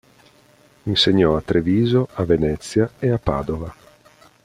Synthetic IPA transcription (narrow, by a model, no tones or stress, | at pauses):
inseɲːɔat̪ːɾeviːzoʔavenɛt̪sːjaeapːa̰ːd̪ova